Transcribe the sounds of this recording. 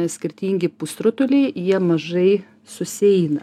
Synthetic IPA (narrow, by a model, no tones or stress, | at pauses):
sʲkʲɪɾʲt̪ʲiːŋʲɡʲɪpust̪ɾʊt̪ʊlʲeɪjiɛmɐʒɐɪ | sʊsʲɛɪnɐ